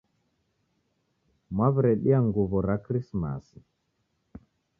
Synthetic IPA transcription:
mwaβuɾɛɗiaŋɡuβɔɾakɾisma̰si

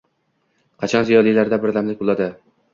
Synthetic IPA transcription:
qʰɑt͡ʃʰɒnzijɒlˠijlaɾd̪abɪɾd̪amlɪk̚ʲbolˠad̪ɪ

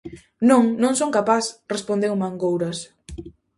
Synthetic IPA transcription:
nõŋnõŋsoŋkapasrespond̪ewmaŋɡowɾɐs

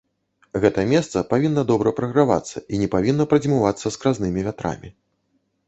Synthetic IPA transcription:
ɣɛt̪ɐmʲɛst̪sɐpavʲinːɐd̪ɔbɾɐpɾɐɣɾava̰t̪sːɐʔinʲɛpavʲinːɐpɾɐd͡zʲimuvat̪sːɐskɾaznɨmʲivʲat̪ɾa̰mʲi

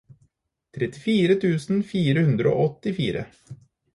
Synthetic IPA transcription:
t̪ʰɾɛt̪ːɪfiːɾət̪ʰʉːsnfiːɾəhʉnd̪ɾəo̰ːʔɔt̪ːɪfiːɾə̰

